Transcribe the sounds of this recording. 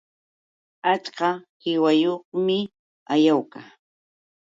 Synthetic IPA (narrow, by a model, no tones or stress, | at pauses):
at͡ʃɢɑhɪwajoχmɪ | ajawkaː